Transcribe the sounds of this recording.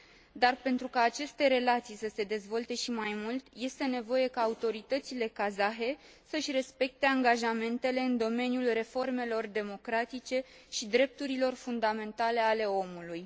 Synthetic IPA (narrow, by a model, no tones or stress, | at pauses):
d̪arpe̞nt̪ɾukaːt͡ʃe̞st̪e̞ɾe̞lat̪sijsəse̞d̪e̞zvo̞lt̪e̞ʃimajmult̪je̞st̪e̞ne̞vo̞je̞kaːut̪o̞ɾit̪ət̪sile̞kazaɦe̞ | səɨʃʲre̞spe̞k̚t̪e̞aŋɡaʒame̞nt̪e̞le̞ɨnd̪o̞me̞njulre̞fo̞rme̞lo̞rd̪e̞mo̞kɾat̪it͡ʃe̞ | ʃid̪ɾe̞p̚t̪uɾilo̞rfund̪ame̞nt̪ale̞ale̞o̞muluj